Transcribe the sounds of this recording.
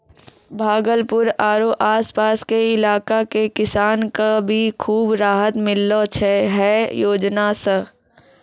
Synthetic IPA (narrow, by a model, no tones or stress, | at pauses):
bʱaːɡəlpʊɾaːɾoʔaːspaːskeɪlaːkakekɪsaːnkabʱikʰuːbɾaːɦət̪mɪlːot͡ʃʰeɦɛjoːd͡ʒnasə